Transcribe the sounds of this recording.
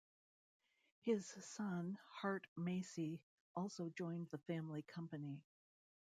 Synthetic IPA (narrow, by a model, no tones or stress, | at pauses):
hɪz̥sʌ̃nhɑɹtmeɪsi | ʔɔlˠsoʊd͡ʒɔ̃ɪ̃nðəfæ̃mlikʰʌ̃mpɨni